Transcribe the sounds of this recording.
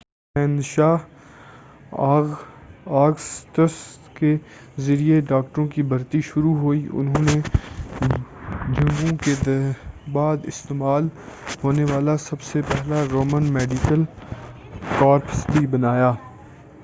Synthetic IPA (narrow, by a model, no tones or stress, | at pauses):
pɛ̃ːnd̪ʃaːɦ | aːɡst̪əskezɐɾieɖaːk̚ʈəɾõkibʱɐɾt̪iʃʊɾuɦoːiʔʊ̰nɦõːne | d͡ʒʱɐ̃ŋɡõked̪baːd̪ɪst̪eːmaːlɦoːneʋaːlasɐbsepɛɦlaɾoːmənmɛːɖikəl | kɔːɾpsʈibɐnaːjaː